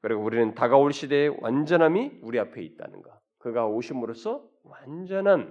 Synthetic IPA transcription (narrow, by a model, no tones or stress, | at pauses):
kɯɾiɡouɾinɯntaɡaoɭɕ͈ide̞wa̰nd͡ʑʌnɦamiuɾiapʰe̞it̚t͈a̰nɯ̰nɡa | kɯɡaoɕʰimuɾosʰʌ | wand͡ʑʌnɦan